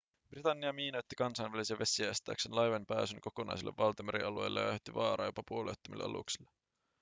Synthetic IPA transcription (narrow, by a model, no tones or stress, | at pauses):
b̥rit̪ɑnːiɑmiːnojt̪ːikɑnsɑjnʋælisiɑʋe̞siæjst̪æ̰ːksenlɑjʋenpæːsynko̞ko̞nʔɑ̰jsilːe̞̰ʋːɑlt̪ɑmeɾḭɑlue̞̰jlːejɑt̪ːiʋɑːɾɑ̰jopɑpuoliḛt̪ːomḭlːḛʔɑ̰lṵksilːe